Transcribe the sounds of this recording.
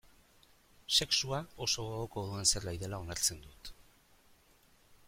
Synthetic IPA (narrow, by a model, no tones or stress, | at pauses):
se̞ksuao̞so̞oɣoko̞ðue̞nse̞ɾlajðe̞lao̞naɾt͡se̞nd̪ut̪